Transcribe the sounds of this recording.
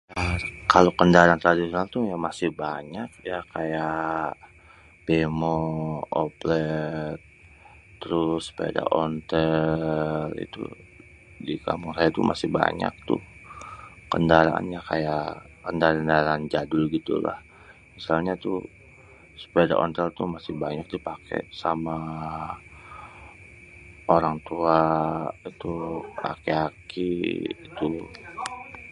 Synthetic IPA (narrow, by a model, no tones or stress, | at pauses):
akalokəndaɾaant̪ɾadisionalt̪ujamasɪhbaɲak̚jakaja | b̥emooplɛt̪ː | əɾʊspada̰ʔɔnt̪ə | lḭt̪ṵ | dika̰mʊŋsajat̪umʔa̰sɪhba̰ɲa̰k̚t̪ʊ̰h | kəndaɾa̰a̰nɲakaja | kəndaɾandaɾand͡ʒadʊlɡit̪ṵla̰h | misalɲat̪u | su̥paada̰ʔɔ̰nt̪əlt̪umasɪhbaɲak̚d̪ipakḛsama | oɾaŋt̪uait̪ua̰kiakiːt̪u